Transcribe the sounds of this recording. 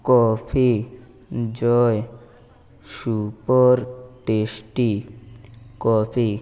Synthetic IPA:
kɔpʰi | d͡ʑɔe | ʃupoɾʈesʈi | kɔpʰi

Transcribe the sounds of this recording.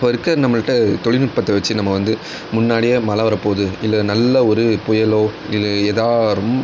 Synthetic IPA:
pːɐːɪɾɯkːɐnɐmːɐkɪʈːɐt̪ɔɭɪnɪʈ̚pɐt̪ːɐʋɐt͡ʃːɯnɐmːɐʋɐnd̪ɯ | mʊnːaːɽɪjɐmɐlaːʋɐɾɐpoːðɯɪlːɐnɐlːɐɔɾɯpʊjɐloːɪlːeːðaːɾɯm

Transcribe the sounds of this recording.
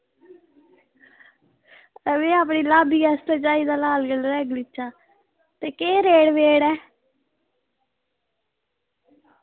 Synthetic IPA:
əʋẽːaːp̬ɳiːlaːbiːɛːst̪ɛːt͡ʃaːiːd̪aːlaːlɡəlɾɛːɡlɪt͡ʃːaː | t̪eːkeːɾeːɽʋeːɽɛː

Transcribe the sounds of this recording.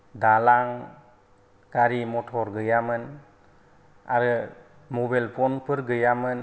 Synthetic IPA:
dalaŋ | ɡaɾimɔtʰɔɾɡɯjamɯn | a̰ɾɯ | mɔbajlpʰɔnpʰɯɾɡɯjamɯn

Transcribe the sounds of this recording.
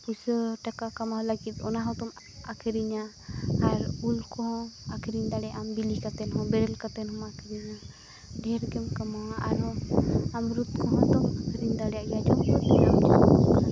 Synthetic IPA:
pusəʈakakamalaɡit̪̚ˀɔ̰naɦɔt̪ɔm | akʰɾiɲa | aɾulkɔɦɔ̃akʰɾiɲd̪aɽɛjaʔambilikat̪ɛnɦɔ̃bɛɾɛlkat̪ɛnhɔmakʰiɾiɲa | ɖʱɛɾɡɛmkamaa̰ɾɔamɾut̪kɔɦɔ̃t̪ɔmakʰɾiɲd̪aɽɛjaʔjad͡ʒɔmɔt̪ɛamd͡ʒɔɔka

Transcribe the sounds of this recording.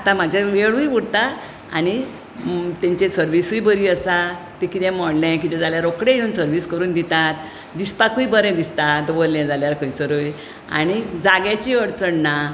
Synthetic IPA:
at̪ãmad͡ʑʱjaʋeɭũjʋuɽt̪a | añi | t̪ɛ̃ɲt͡ɕesəɾʋisujbəɾiːəsat̪ikit̪ɛ̃mɔɽlɛ̃kit̪ɛ̃d͡zaljaɾokɽẽjeunsəɾʋiːskəɾuːnd̪it̪at̪ | d̪ispakuibəɾɛ̃d̪ist̪ad̪bolːɛ̃d͡zaljaɾkəjt͡səɾuj | a̰ñid͡zaɡjat͡ɕiəɽt͡səɳna

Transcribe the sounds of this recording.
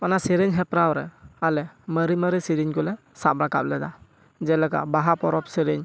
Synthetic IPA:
ɔnasiɾiɲɦɛpɾawɾɛalɛməɾiməɾisiɾiɲkɔlɛ | sapɾaka̰p̚lɛda | d͡ʒɛlɛka̰baɦapɔɾɔp̚siɾiɲ

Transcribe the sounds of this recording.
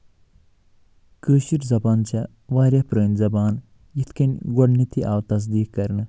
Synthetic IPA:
kəːʃiɾzɐbaːnt͡ʃʰɐ | ʋaːɾʲɐpɾəːnʲzɐbaːn | jit̪ʰkɐnʲɡoɖnit̪ʰiʔaːwt̪ɐs̬d̪iːkkɐɾnɨ

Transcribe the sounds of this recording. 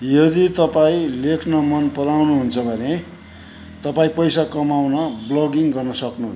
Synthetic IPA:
jʌd̪it̪ʌpaĩlekʰnʌmʌnpʌɾawnuɦunt͡sʰʌbʱʌne | t̪ʌpaĩpʌjsakʌmawnʌblʌɡiŋɡʌrnʌsʌknuɦ

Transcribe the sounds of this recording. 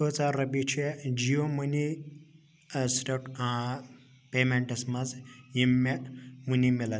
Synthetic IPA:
oːt͡saɾːɐbit͡ʃʰed͡ʒijomuni | ɐsɾɐʈa | peːmeɳʈɐsmɐzjimːemunimilɐ

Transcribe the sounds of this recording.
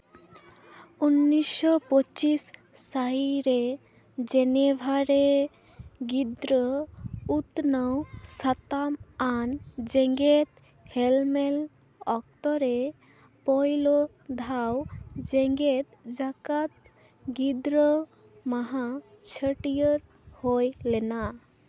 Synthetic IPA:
unːisːɔpɔt͡ʃisːajɾe | d͡ʒɛnebʱaɾe | ɡid̪ɾɔut̪nawsat̪amand͡ʒɛ̃ŋɡet̪ | hɛlmɛl | ɔk̚t̪ɔɾɛ | pɔjlɔ | d̪ʱawd͡ʒɛŋɡet̪̚d͡ʒakat̪̚ | ɡid̪ɾɔ | maɦa | t͡ʃʰəʈijəɾ | hojlɛna

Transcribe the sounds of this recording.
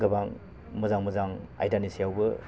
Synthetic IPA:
ɡɐbaŋ | mɐzaŋmɐzaŋa̰jdanisijawbɯ

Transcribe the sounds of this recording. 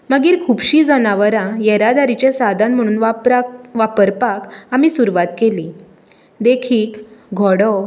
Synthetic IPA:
məɡiːɾkʰuːbɕiːd͡zənaʋəɾãjɛɾad̪aɾit͡ɕesad̪ʱaɳm̤əɽ̃uːnʋ | ʋapəɾpakamiːsuɾʋat̪keliː | d̪ekʰiːkɡʱɔɽɔ

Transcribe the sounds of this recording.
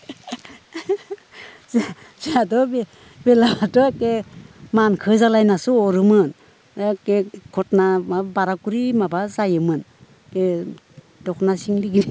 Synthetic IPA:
ze | zeadɔbe | belabatɔekemankʰɯzalajnasuɔɾɯmɯn | ekekʰɔt̚namabaɾakuɾimabazajɯmɯn | be | dɔknasiŋliɡin

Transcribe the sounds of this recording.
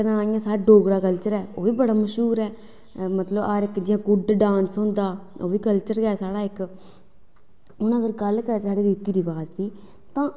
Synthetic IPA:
nãːɪjãːsaːɾaːɖoːɡɾaːkəlt͡ʃəɾɛːo̰ːʋiːbəɽaːməʃɦuːɾɛː | mət̪ləbaːɾɪkd͡ʒɪãːɡʊɖɖãːnsɦʊ̃ːnd̪aːo̰ːʋiːkəlt͡ʃəɾɡɛːsaːɽaːɪk | ʊnəɡəɾɡəlkəɾsaːɽeːd̪ɪt̪iːɾiːbaːd͡ʒt̪iː | t̪ãː

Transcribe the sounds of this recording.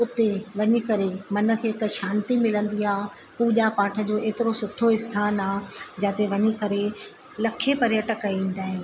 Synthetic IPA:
ʊt̪eʋɐɲikɐɾemɐnə̆kʰeːɦɪkʃaːnt̪imɪlə̃nd̪iaː | puːʄapaːʈʰə̆d͡ʑoːʔeːt̪ɪɾosʊt̪ʰːoɪst̪ʰaːnaːd͡ʑãːt̪eʋɐɲikɐɾe | lɐkʰːepɐɾjəʈəkəĩːn̆d̪aːɦɪ̃n̆

